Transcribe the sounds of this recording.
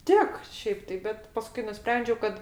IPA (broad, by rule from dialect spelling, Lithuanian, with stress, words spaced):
ˈtʲɪk ˈʃʲɛɪp tɐɪ ˈbʲɛt pɐˈskʊɪ nʊˈsʲpʲrʲɛnʲd͡ʒʲɛʊ kɐt